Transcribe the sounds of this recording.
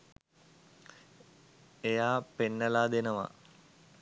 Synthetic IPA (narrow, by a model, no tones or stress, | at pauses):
ejaːpenːəlaːd̪enəʋa̰